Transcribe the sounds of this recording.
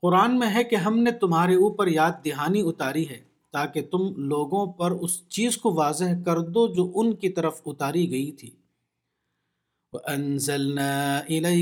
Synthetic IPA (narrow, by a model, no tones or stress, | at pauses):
qʊɾaːnmẽɦɛkeɦɐmnet̪ʊmɦaːɾeuːpəɾjaːd̪̚ːɪɦaːniʊt̪aːɾiɦɛː | t̪aːket̪ʊmloːɡõpɐɾʊst͡ʃiːzkoʋaːzeɦkɐɾd̪od͡ʒoːʔʊnkit̪ɐɾəfʊt̪aːɾiɡɐit̪ʰiː | wɐʔɐnzɐlnaːɪlɐ